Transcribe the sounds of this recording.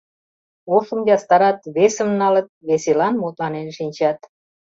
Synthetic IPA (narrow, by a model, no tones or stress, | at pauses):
osə̆mjɑst̪ɑɾɑt̪βesə̆mnɑlə̆t̪̚βeselɑnmot̪lɑnenʃinʲt͡ɕɑt̪